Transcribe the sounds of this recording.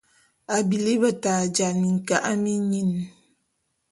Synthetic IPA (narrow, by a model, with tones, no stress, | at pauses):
a˨bi˨li˦bə˨ta˨d͡ʒa˨ni˨ŋ̩˨ka˨ʔa˦mi˦ɲi˦˨n